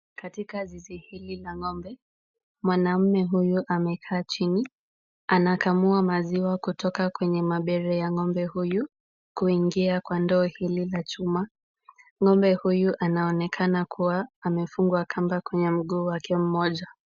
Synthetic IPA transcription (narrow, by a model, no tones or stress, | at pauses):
katikazizihililaŋɔmbɛ | mwanam̩mɛɦujuʔamɛkʰaːt͡ʃini | anakamuamaziwakutʰɔkakwɛɲɛmaɓɛɾɛjaŋɔmbɛhuju | kuiŋɡiakwandɔːhililat͡ʃuma | ŋɔmbɛhujuʔanaɔnɛkʰanakʰuwaːmɛfuŋɡwakʰambakwɛɲɛm̩ɠuːwakɛm̩mɔʄa